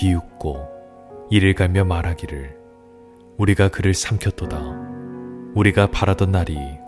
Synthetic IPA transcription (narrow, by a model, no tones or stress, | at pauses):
iuk̚k͈o | iɾɯɭɡamjʌmaɾɦaɡiɾɯɭ | uɾiɡakɯɾɯɭsʰamkʰʌt͈oda | uɾiɡapaɾadʌnːaɾi